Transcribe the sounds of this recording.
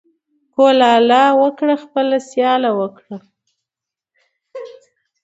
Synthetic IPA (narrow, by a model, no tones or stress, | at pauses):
kolɑlɑwəkɽaxpəlasjɑlawəkɽa